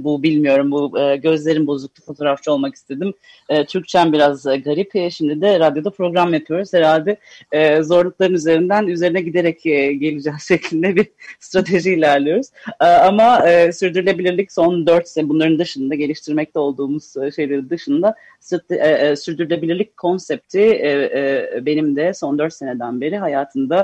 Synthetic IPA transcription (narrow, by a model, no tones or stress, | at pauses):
bubilʲmijo̞ɾumbuɯːɟø̞zlʲe̞ɾinbo̞zuk̚t̪ʰˠufo̞t̪ʰo̞ɾaft͡ʃʰɯo̞lˠmaki̥st̪ʰe̞d̪im | ɛːt͡ʃʰyc̚t͡ʃʰænbiɾazɡaɾipːʃimd̪id̪ɛɾad̪jo̞d̪apʰɾo̞ɡɾamjapʰɯjo̞ɾuz̥hɛɾalʲd̪ɛɛzo̞ɾlˠuk̚lˠaɾɯnyze̞ɾind̪ænyze̞ɾinɛɟid̪e̞ɾɛcɛɟe̞lʲid͡ʒɛzʃɛclʲind̪ɛbiɾst̪ɾat̪ʰe̞ʒiilʲæɾlʲˠijo̞ɾuz̥amaɯsyɾd̪yɾylʲe̞bilʲiɾlʲicso̞nd̪øɾt̪sebunˠaɾɯnd̪ɯʃɯnd̪aɟe̞lʲiʃt̪ʰiɾmɛc̚t̪ʰɛo̞lˠd̪uːmuz̥ʃe̞jlʲeɾind̪ɯʃɯnd̪a | st̪ɾat̪ːsyɾd̪yɾylʲe̞bilʲiɾlʲickʰo̞nsɛp̚t̪ʰi | be̞nimd̪ɛso̞nd̪ø̞ɾt̪se̞ne̞d̪ænbe̞ɾiɦajaːt̪ʰɯnd̪a